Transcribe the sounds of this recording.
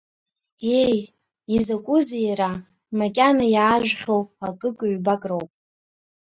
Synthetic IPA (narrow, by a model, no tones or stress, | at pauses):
e̞j | izakʷʼʊzejɾa | makʲʼanajaːʒᶣχʲo̞wakʼɨkʼʊɥbakʼrowpʼ